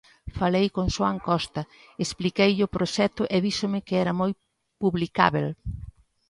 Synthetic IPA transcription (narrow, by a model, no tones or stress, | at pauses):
falejkoŋʃwaŋkɔst̪ɐ | esplikejʎɪʊpɾoʃɛt̪ʊʔeðisomɪkɪɛɾɐmoj | puβlika̰βel